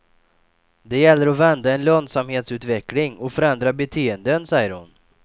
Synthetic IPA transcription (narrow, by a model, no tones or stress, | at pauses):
d̪ɛjɛlːəɾɔvɛnd̪aɛnlœnd̪samheːt̪sʉːt̪vɛklɪŋɔfœɾɛnd̪ɾabɛt̪ʰeːənd̪ənsɛjːəɾhʊ̰n